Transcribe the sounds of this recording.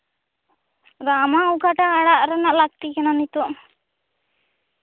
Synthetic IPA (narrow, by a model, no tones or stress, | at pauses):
ɾamauɡʱaʈaːɽaʔɾənaʔlak̚t̪ikɛnanit̪uʔ